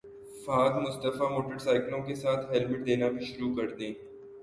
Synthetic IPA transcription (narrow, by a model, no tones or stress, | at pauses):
faːɡ̪mʊst̪əfamoːʈəɾsaːɪklõkesaːt̪ʰɦɛlbɪʈ̚d̪eːnabʱiʃʊɾuːkɐɾd̪ẽː